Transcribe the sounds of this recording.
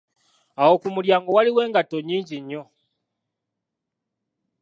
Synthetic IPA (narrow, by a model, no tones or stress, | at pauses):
awokumuljaːŋɡowaliwe̞ːŋɡatoɲːiːɲɟiɲːo